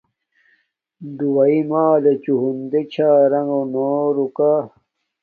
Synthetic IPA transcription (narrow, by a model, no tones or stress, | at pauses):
d̪uwɐimaːlet͡ɕuɦund̪et͡ɕʰaːɾɐŋɡonoːɾukaː